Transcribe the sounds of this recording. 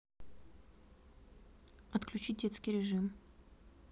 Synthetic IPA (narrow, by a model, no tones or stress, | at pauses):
ɐt̪klʲʉt͡ɕit̚ʲdʲet̪skʲɪjɾʲɪʐɨm